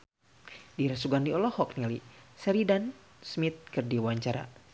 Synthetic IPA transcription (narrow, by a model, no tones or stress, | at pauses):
diɾasuɡandiɔlɔhɔk̚nilisɛɾidan | smit̪̚kɨrdiwaɲt͡ʃaɾa̰